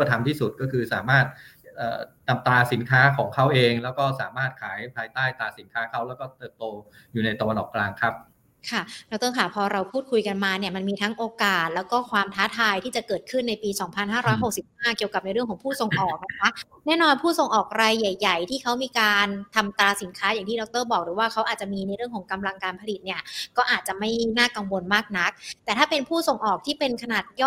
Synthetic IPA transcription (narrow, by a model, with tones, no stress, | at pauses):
t̪ʰa˧mt̪ʰiː˥˩su˨˩t̪̚kɔː˥˩kʰɯː˧sa̰ː˩˦maː˥˩t̪̚ | ʔəː˨˩na˧mt̪aː˧si˩˦nkʰaː˦˥kʰɔː˩˦ŋkʰa˦˥˩wʔeː˧ŋlɛː˦˥wkɔː˥˩saː˩˦maː˥˩t̪̚kʰaː˩˦jpʰaː˧jt̪aː˥˩jt̪aː˧si˩˦nkʰaː˦˥kʰa˦˥˩wlɛ˦˥wkɔː˥˩t̪ɤː˨˩p̚t̪oː˧ | juː˨˩na˧jt̪a˧wa˧nʔɔ̰ː˨˩kːlaː˧ŋkʰɾa˦˥p̚ | kʰa˥˩dːkt̪ɔ˥˩ŋkʰaː˨˩pʰɔː˧ɾa˧wpʰuː˥˩t̪̚kʰu˧jka˧nmaː˧ni˥˩ɐma˧nmiː˧t̪ʰa˦˥ŋʔoː˧kaː˨˩t̪̚lɛː˦˥wkɔː˥˩kʰwaː˧mt̪ʰaː˦˥t̪ʰaː˧jt̪ʰiː˥˩t͡ɕa˨˩kɤː˨˩t̪̚kʰɯ˥˩nːa˧jpiː˧sɔː˩˦ŋpʰa˧nɦaː˥˩ɾɔː˦˥jɦo˨˩k̚si˨˩p̚haː˥˩ki˨˩əwka˨˩p̚na˧jɾɯ˥˩əŋkʰːpʰuː˥˩so˨˧ŋʔɔː˨˩k̚ːa˦˥kʰa˦˥ | nɛː˥˩nɔː˧npʰuː˥˩so˨˩ŋʔɔː˨˩k̚ɾaː˧jːa˨˩jːa˨˩jt̪ʰiː˥˩kʰa˦˥wmiː˧kaː˧nt̪ʰa˧mt̪aː˧si˨˩˦nkʰaː˦˥ja˨˩ŋt̪ʰiː˥˩dɔ˧˦˥k̚t̪ɤː˥˩bɔː˨˩k̚ɾɯː˩˦waː˥˩kʰa˦˥wʔaː˨˩t͡ɕa˨˩miː˧na˧jɾɯ˥˩əŋkʰɔː˩˦ŋka˧mla˧ŋkaː˧npʰa˧li˨˩t̪̚ni˥˩ɐkɔː˥˩ʔaː˨˩t̪̚t͡ɕa˨˩ʔma˥˩jnaː˥˩ka˧ŋwo˧nmaː˥˩k̚na˦˥k̚t̪ɛː˨˩t̪ʰaː˥˩pe˧npʰuː˥˩so˨˩ŋʔɔː˨˩k̚t̪ʰiː˥˩pe˧nkʰa˧naː˨˩t̪̚jɔː˥˩